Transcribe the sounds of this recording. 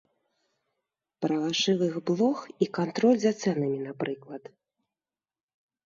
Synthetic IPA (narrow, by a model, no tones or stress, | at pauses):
pɾɐvaʂɨvɨɣblˠɔxikant̪ɾɔlʲzat̪sɛnɐmʲinapɾɨklˠɐt̪